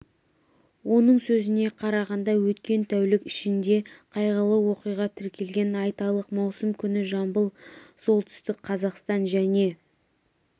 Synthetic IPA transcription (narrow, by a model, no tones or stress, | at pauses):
wo̞nəɴsɵzɪne̞qʰɑɾɑʁɑnd̪ɑwɵt̪kʲe̞nt̪ʰæwlɪkɪʃɪnd̪e̞qʰɑjʁəlˠəwo̞qijʁɑt̪ʰɪɾkʲe̞lɡʲe̞nɑjt̪ɑlˠəqmɑwsəmkʲʰʏnɪʒɑmbəlˠso̞lˠt̪ʰʏ̥st̪ɪkqʰɑzɑqst̪ɑnʒæne̞